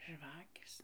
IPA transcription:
ˈʒʋɑːkʲeːs

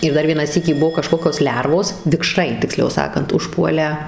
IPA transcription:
ɪr ˈdɐr ˈʋʲiɛnɑː ˈsʲiːkʲiː ˈbuɔ kɐˈʃkoːkʲoːs ˈlʲɛrʋoːs ʋʲɪkˈʃrɐɪ tʲɪkˈsʲlʲɛʊ ˈsɑːkɐnt ʊʃˈpuɔlʲæː

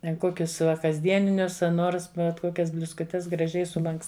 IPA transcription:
ˈtʲɛn ˈkoːkʲʊs ˈʋɐ kɐzʲˈdʲiɛnʲɪnʲʊs ɐ ˈnoːrs bʲɛt ˈkoːkʲɛs bʲlʲʊskʊˈtʲɛs ɡrɐˈʒʲɛɪ sʊˈlˠɐŋks

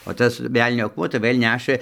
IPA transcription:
oː ˈtɐs ˈʋʲɛlʲnʲoː ɐkˈmuɔ tɐɪ ˈʋɘlʲ ˈnʲæːʃɘ

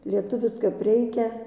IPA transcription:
lʲiɛˈtʊʋʲɪs kɐp ˈrʲɛɪkʲɛ

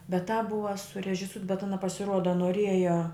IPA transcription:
bʲɛt tɑːp ˈbʊʋɐ sʊrʲɛʒʲɪˈsuːt bʲɛt ˈɑːnɐ pɐsʲɪˈruɔdɐ noːˈrʲiɛjɛ

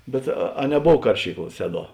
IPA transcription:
bʲɛt ɐ ɐ nʲɛˈboːw ˈkɐrʲʃʲiːkˌlˠɐ ˈsʲæːˌduɔ

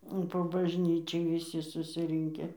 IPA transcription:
poː bɐʒʲˈnʲiːt͡ʃʲɛɪ ʋʲɪˈsʲɪ sʊsʲɪˈrʲɪŋʲkʲɛ

